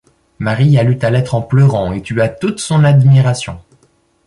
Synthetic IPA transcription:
maʁialyt̪alɛt̪χɑ̃plœʁɑ̃et̪yat̪ut̪sɔ̃nad̪miʁasjɔ̰̃

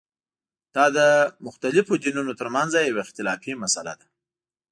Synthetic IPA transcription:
d̪̥ɑd̪əmʊxt̪alɪfod̪inunot̪əɾmanzajawaɪxt̪ɪlɑfimasala̰d̪a

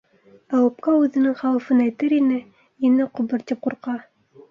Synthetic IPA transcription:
æwɘ̆p̚kɑʉðɘ̆nɘŋχæwɘ̆fɤnæjt̪ɘɾinɘ | inɘqŏbɤ̆ɾt̪ʲip̚quɾqɑ

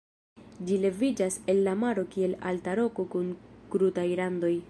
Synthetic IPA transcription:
d͡ʒile̞vid͡ʒase̞lːamaɾo̞kie̞la̰ltaɾo̞ko̞kunkɾutajlando̞j

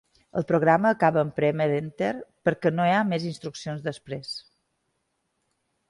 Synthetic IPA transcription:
ə̰lˠpɾoɣ̞ɾaməːkaβəːmpɾɛmeɾent̪eɾpəɾkɛnoeamezinst̪ɾuksionzðəspɾes

